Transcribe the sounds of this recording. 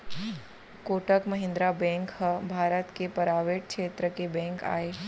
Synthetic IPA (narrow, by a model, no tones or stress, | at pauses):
koːʈəkmɐɦɪ̃nd̪ɾabɛ̃ːŋkhə̃bʱaːɾət̪kepɐɾaːʋeːʈ̚kʃeːt̪ɾəkebɛ̃ːŋka̰ːe